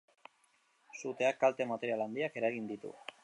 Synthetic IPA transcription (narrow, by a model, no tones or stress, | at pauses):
sut̪e̞akːalt̪e̞mat̪e̞ɾialand̪iake̞ɾaɣind̪it̪ṵ